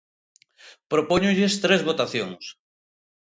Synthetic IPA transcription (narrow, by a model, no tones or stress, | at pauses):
pɾopoɲʊʎest̪ɾezβot̪aθjoŋs